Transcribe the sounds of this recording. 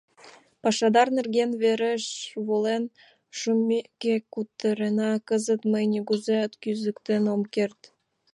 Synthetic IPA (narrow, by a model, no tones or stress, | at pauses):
pɑʃɑd̪ɑrnerɣenβeɾeʃβolen | ʃumekːekut̪ːəɾenɑkəzə̆t̪məjnʲeɡuzeət̪kyzə̆kt̪enomkert̪